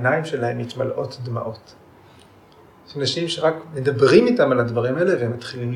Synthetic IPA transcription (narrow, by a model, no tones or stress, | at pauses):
naimʃe̞lahe̞mit̪malʔo̞td̪ma̰ʔo̞t | ʃanaʃimʃe̞ʁakme̞d̪abʁimitamaladvaʁimaeleveematχiliml